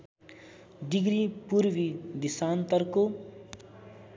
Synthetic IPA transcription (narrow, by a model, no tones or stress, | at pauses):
ɖiɡɾipuɾʋid̪isaːnt̪ʌɾko